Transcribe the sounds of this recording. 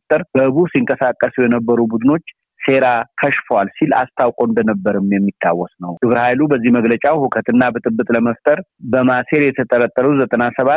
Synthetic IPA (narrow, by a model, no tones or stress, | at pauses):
ft̪ʼəɾb̥əhɨβusiŋkʼəsakʼːəsujɛnəbːəɾubud̪ɨno̞t͡ʃː | se̞ɾakʰəʃfwalsila̰st̪ʰawkʼond̪ənəbːəɾɨmjɛmːit̪ʰːawːɔsnəwd̪̥ɨbɨɾhajlubəzːihməɡlət͡ʃʼawhukʰət̪ʰɨnːabət̪ʼɨbːɨt̪ʼləməft̪ʼəɾbəmase̞ɾjɛt̪ʰət̪ʼəɾət̪ʼːəɾuzət̪ʼənasəβa